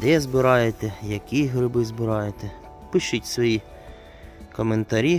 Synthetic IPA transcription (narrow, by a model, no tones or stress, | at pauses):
d̪ɛzbɪɾɑjet̪ɛjɐkʲiɦɾɪbɪzbɪɾɑjet̪ɛ | pɪʃʊtʲsʋɔji | kɔment̪ɐɾʲi